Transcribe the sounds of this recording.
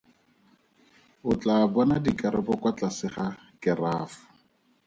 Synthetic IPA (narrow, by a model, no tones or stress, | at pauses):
ʊt͡ɬabɔnadikaɾɪbɔkwat͡ɬasɪχa | kɪraːfʊ̥